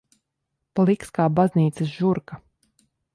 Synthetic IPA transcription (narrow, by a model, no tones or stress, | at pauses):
plˠikskaːbazniːt̪sɨsʒuɾka